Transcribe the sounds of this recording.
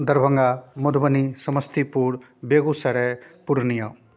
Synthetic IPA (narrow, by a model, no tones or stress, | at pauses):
d̪ʌɾbʱʌŋɡamud̪ʱbʌnisʌmʌst̪ipuɽ | beɡusaɽepuɾnijʌ